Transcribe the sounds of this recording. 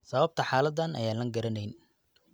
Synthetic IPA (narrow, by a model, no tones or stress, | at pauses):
sɐβɐb̚t̪ʰɐħaːlɐd̪ːɐnɐ̰jaːnlɐŋɡɐɾɐnɛjn